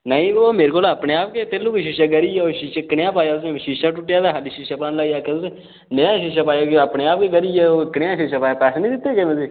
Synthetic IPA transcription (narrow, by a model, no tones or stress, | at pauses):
nəĩːoːmeːɾekoːləpneːaːp̚ket̪elːuːkeːʃiːʃaɡəɾiːɛːoːʃiːʃaːkɪɽjãːpaːjaːsʃiːʃaːʈʊʈːjaːd̪aːɦəliʃiːʃaːpaːnlaːijaːket̪ʊsẽ | nəjãːʃiːʃ̬aːpaːjaːkːəpneːaːp̚keːɡəɾiːɛːoːkəɽjãːʃiːʃaːpaːjaːpɛːsənĩːd̪ɪt̪ːeːkemẽsiː